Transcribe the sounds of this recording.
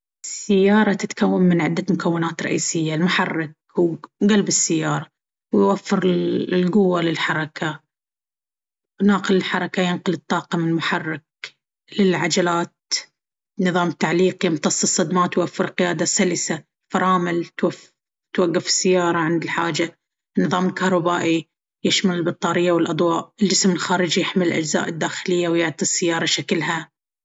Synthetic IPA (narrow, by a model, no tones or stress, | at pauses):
ɪsːɪjːɑːɾˤɑt̪ɪt̪kʰawːammɪnʕɪd̪ːamʊkʰawːɪnaːt̪ɾˤɑ̰ʔiːsɪjːalmʊħɑrˤːɪk̚ːɡalbɪsːɪjːɑːɾˤɑ | wjwafːɪɾlɡʊwːalɪlħɑɾˤɑkʰa | naːqɪlɪlħɑɾˤɑkajɪnqʊlɨt̪ˤːɑːqɑmɪnmʊħɑrˤːɪk̚ | lɪlʕad͡ʒalaːt̪̚ | nɨðˤɑːmt̪ːaʕliːqjɪmt̪ɑsˤːɨsˤːɑd̪maːt̪wafːɪɾlqɪjaːd̪asalɪsa | fɑɾˤɑːmɪlt̪waf | t̪waɡːɪfɪ̥sːɪjːɑːɾˤɑʕɪnd̪ɪlħa̰ːd͡ʒa | nːɨðˤɑːmɪlkahɾˤɑbaːʔi | jɪʃmalɪlbɨt̪ˤːɑːɾɪjːawɪlʔɑd̪ˤwɑːʔld͡ʒɪsmɪlxaːɾɪd͡ʒijɪħmɪllʔad͡ʒza̰ːʔɪd̪ːaːxɪlɪjːawjɪʕt̪ˤisːɪjːɑːɾˤɑʃaklɦa